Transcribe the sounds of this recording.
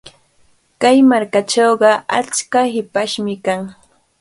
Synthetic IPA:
kajmaɾkat͡ʃowɢɑa̰t͡ʃkahɪpaʃmɪkaŋ

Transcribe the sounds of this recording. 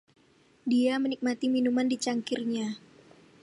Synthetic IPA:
diamənik̚mat̪iminumandit͡ʃaŋkirɲa

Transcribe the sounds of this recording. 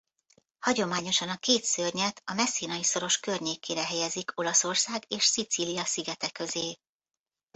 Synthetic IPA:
hɒɟo̞maːɲo̞ʃɒnɒkeːt̪sørɲɛt̪ʰɒmɛsːiːnɒjiso̞ɾo̞ʃkørɲeːkeːɾɛɦɛjɛzikʰo̞lɒso̞rsaːɡeːʃsit̪siːlijɒsiɡɛt̪ɛkø̞zeː

